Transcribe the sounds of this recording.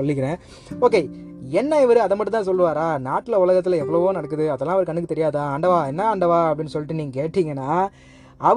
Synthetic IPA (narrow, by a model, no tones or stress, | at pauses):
ɔlːɪkːɪɾẽː | oːkeːɛnːɐɪʋɐɾɯɐðɐmpɐʈːɯ̃t̪ːãːs̬ɔlːɯʋaːɾaːnaːʈːɪlɐʊɭɐɣɐt̪̬ːɪlɐɛʋːɐɭɐʋõːnɐɽɐk̬ːɯðɯɐðɛlːãːɐʋɐɾɯkɐɳːɯk̬ːɯt̪ɛɾɪjaːðãːɐɳɖɐʋaːɛnːaɐɳɖɐʋaːɐpɐɽɪnːɯsɔlːɪʈːɯniːŋɡɐkeːʈːiːŋɡɐnːaː | ɐ